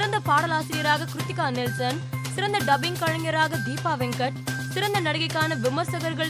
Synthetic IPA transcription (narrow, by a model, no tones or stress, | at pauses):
ɪɾɐnd̪ɐpaːɽɐlaːsɪɾɪjɐɾaːɣɐkɾʊt̪ːɪkːaːnɪlsɐn | sɪɾɐnd̪ɐɖɐbɪŋkɐɻɐŋjɐɾaːɣɐd̪iːpaːʋɛŋkɐʈ̚sɪɾɐnd̪ɐnɐɽɐɣɐɪkːaːnɐʋɪmɐɾsɐɣɐɾɣɐɭ